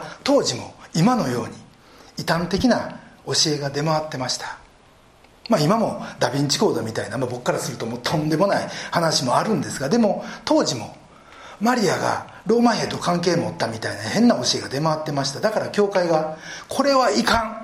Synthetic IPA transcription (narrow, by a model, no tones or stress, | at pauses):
t̪o̞ːʑimo̞imano̞jo̞ːɲ̟i | it̪ãnt̪e̞kʲinao̞ɕie̞ɡad̪e̞maβat̪ːe̞maɕi̥t̪ḁ | maimamo̞d̪abʲĩɲ̟t͡ɕi̥ko̞ːd̪omʲit̪ainamabo̞kːaɾasɨɾɯ̟t̪o̞mot̪ʰõ̞nd̪e̞mo̞naihanaɕimo̞aɾɯ̟̃nd̪e̞sɨɡad̪e̞mo̞t̪o̞ːʑimo̞̰ | maɾʲiaɡa̰ | ɾo̞ːmahe̞ːd̪o̞kãŋke̞ːmo̞ːt̪ːamʲit̪ainahẽ̞nːao̞ɕie̞ɡad̪e̞maβat̪ːe̞maɕi̥t̪ad̪akaɾakʲo̞ːkaiɡakʰo̞ɾe̞βaikãŋ